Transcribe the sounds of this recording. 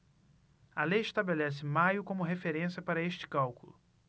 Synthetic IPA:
ɐlejɪʃt̪abelɛsɪmajʊkõmʊɦefeɾẽsiɐpaɾɐeʃt͡ʃɪ̥kawkulʊ

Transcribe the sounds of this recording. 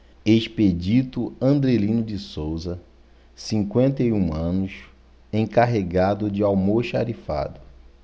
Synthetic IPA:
eʃped͡ʒit̪ʊɐ̃nd̪ɾelĩnʊd͡ʒɪsowzɐ | sĩŋkwẽnt̪ejũɐ̃nʊs | ẽkaɦeɡad̪ʊd͡ʒɪawmoʃa̰ɾifa̰d̪ʊ

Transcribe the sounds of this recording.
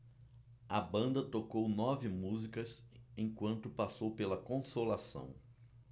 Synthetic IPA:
ɐbɐ̃nd̪ɐt̪okownɔvɪmuzikɐsẽkwɐ̃nt̪ʊpasowpelɐkõsolasɐ̰̃w̃

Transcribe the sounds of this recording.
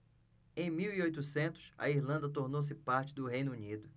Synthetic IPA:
ẽj̃miwiojt̪usẽnt̪ʊ̥sɐ̰iɾlɐ̃nd̪ɐt̪̬oɾnows̬ɪpaɾt͡ʃɪd̪ʊɦejnʊunid̪ʊ

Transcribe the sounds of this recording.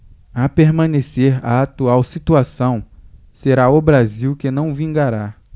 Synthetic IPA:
apeɾmɐ̃neseɾa̰ːt̪uawsit̪uasɐ̃w̃ | seɾaʊbɾaziwkɪnɐ̃w̃vĩŋɡaɾa

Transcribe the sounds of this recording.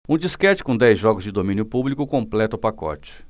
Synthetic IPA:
ũd͡ʒiskɛt͡ʃɪ̥kõd̪ɛjzʒɔɡʊzd͡ʒɪd̪omĩnjʊpublikʊkõmplɛt̪ɐʊpakɔ̰t͡ʃɪ̥

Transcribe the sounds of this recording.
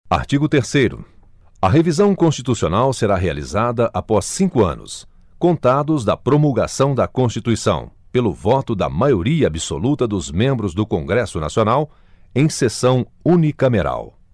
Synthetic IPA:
a̰ɾt͡ʃiɡʊt̪eɾsejɾʊ̰ | ɐɦevizɐ̃w̃kõst͡ʃit̪usionawseɾaɦea̰lḭzad̪ɐʔapɔsːĩŋkʊɐ̰̃nʊ̰s | kõnt̪ad̪ʊzd̪ɐpɾomulɡa̰sɐ̃w̃d̪ɐkõst͡ʃit̪uisɐ̰̃w̃ | pelʊvɔt̪ʊd̪ɐ̰majoɾiɐabiso̰lut̪ɐd̪ʊzmẽmbɾʊzd̪ʊkõŋɡɾɛsʊna̰sionaw | ẽj̃sesɐ̃w̃ũnikɐmeɾa̰w

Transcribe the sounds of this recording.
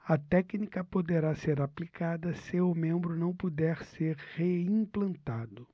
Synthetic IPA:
ɐt̪ɛknikɐpod̪eɾaseɾaplikʰad̪ɐsɪʊmẽmbɾʊnɐ̃w̃pud̪ɛɾseɾheĩplɐ̃nt̪ad̪ʊ

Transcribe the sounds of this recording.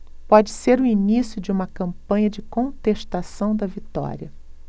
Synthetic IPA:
pɔd͡ʒɪseɾʊinisjʊd͡ʒɪũmɐkɐ̃mpɐ̃ɲɐd͡ʒɪkõnt̪eʃt̪asɐ̃w̃d̪ɐvit̪ɔ̰ɾiɐ

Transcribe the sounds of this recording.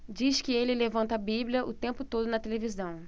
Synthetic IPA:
d͡ʒiʃkɪelɪlevɐ̃nt̪ɐabibljɐʔʊt̪ẽmpʊt̪od̪ʊnɐt̪elevizɐ̃w̃

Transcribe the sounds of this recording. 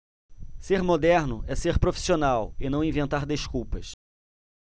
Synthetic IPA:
seɾmod̪ɛɾnʊɛseɾpɾofi̥sionawɪnɐ̃w̃ĩvẽnt̪aɾd̪eʃkuwpɐs

